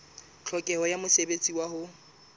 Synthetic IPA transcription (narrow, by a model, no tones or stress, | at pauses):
t͡ɬʰɔkʼɛhɔjamʊsebet͡sʼiwaɦʊ